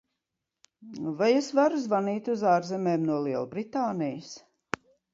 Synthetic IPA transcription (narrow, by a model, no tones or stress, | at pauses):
vajɛsvaɾuzvaniːt̪ʲuzaːɾzɛmeːmnuɔlˠiɛlˠbɾit̪aːnijəs